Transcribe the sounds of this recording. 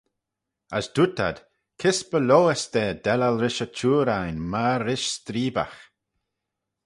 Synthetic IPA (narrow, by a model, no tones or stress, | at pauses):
asd̥̪utʰa̰d̥ | kʰɪsbəloːɛst̪ɛːd̪ɛlalɾɪʃət͡ʃʰuːɾajnmaɾɪʃst̪ɾiːba̰x